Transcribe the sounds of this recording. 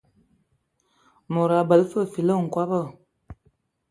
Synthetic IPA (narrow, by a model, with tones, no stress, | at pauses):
mo˨ɾa˨bə˨lfə˦˨fi˨lə˦˨ŋ̩˨kwa˦bə˦˨